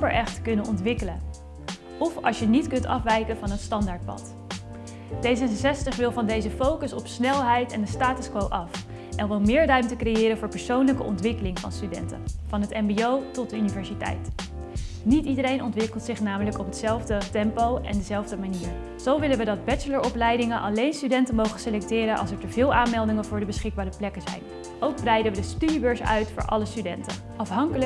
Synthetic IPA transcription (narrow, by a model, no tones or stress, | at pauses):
pəɹʔɛχtkɵnənʔɔntʋɪkələ | ɔfɑ̰lˠʃjənitkɵntɑ̰fʋɛjkənvɑnɦətstɑndaːɹt̚pɑ̰t | d̥ejzəsɛstəχʋɪlˠvɑndejzəfowkəsɔpsnɛlˠɦɛjtɛndəstaːtəskʋowʔɑf | ʔɛnʋɪlˠmɪːɹrœɥmtəkrejɪːɾənvʊːɹpəɹsownləkəɔ̰ntʋɪkəlɪŋvɑ̰nstydɛ̰ntə̰vɑnɦətɛmbiowtɔt̚dəynivɛɹzitɛ̰jt | nitidəɾejnɔntʋɪkəlˠtsɪχnaːmələkɔpɦətsɛlˠvdətɛmpowɛ̰ndəzɛlˠvdəmaniːɹ | z̥owʋɪlənʋədɑd̚bɛt͡ʃələɹʔɔplɛjdɪŋənʔɑlejnstydɛntəmowχənselɛk̚tɪːɾənʔɑ̰lˠsɛɹtəvɪːlˠaːnmɛlˠdɪŋənvʊːɹdəbəsχɪɡ̚baːɾəplɛkəzɛ̰jn | ʔowɡ̚brɛjdəʋədəstydibøɹsœ̰ɥtfʊ̰ːɹʔɑ̰ləstydɛ̰ntə | ʔɑfɦɑŋkələ